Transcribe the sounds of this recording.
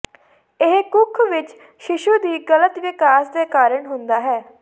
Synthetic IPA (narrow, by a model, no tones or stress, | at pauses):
ɪɦkʊkʰːʋɪt͡ʃ | ʃɪʃuːd̪iːɡələt̪ʋɪkaːsd̪eːkaːɾəɳɦʊnd̪aːɦɛː